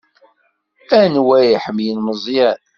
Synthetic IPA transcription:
ænwæjiħəmjənməzˤjæn

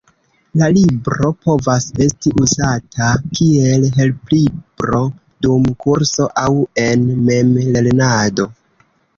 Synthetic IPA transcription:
lalibɾo̞po̞vase̞stiʔuzatʰakʰie̞lɦe̞lplibɾo̞ | dumkuɾso̞ʔawe̞nme̞mle̞lnado̞

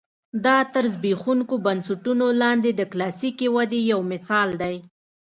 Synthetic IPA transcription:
d̪ɑt̪əɾzbixuŋkobansʊʈunolɑnd̪ed̪əklɑsikewad̪ejawmɪsɑld̪aj

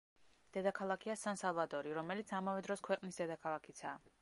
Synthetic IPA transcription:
d̪̥ɛd̪akʰalˠakʰiasansalˠvad̪ɔɾiɾɔmɛlit̪sʰamavɛd̪ɾɔskʰwɛqʼnisd̪ɛd̪akʰalˠakʰit̪sʰaː

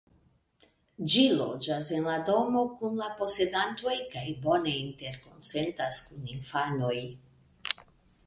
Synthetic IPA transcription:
d͡ʒilo̞̰d͡ʒase̞nlado̞mo̞kunlapo̞se̞danto̞jkajbo̞ne̞inte̞ɾko̞nse̞ntaskuninfano̞j

